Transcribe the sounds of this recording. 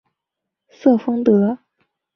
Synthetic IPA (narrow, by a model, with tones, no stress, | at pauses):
sɤ˥˩fɤ˥ŋt̪ɤ˧˥